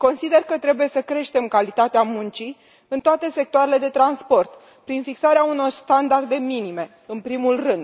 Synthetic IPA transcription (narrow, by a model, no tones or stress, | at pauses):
ko̞nsid̪e̞rkət̪ɾe̞buje̞səkɾe̞ʃt̪e̞mkalit̪at̪eamunt͡ʃi | ɨnt̪oat̪e̞se̞k̚t̪oaɾe̞le̞d̪e̞t̪ɾanspo̞rt̪ | pɾinfiksaɾeauno̞rst̪and̪ard̪e̞minime̞ | ɨnpɾimulrɨnd̪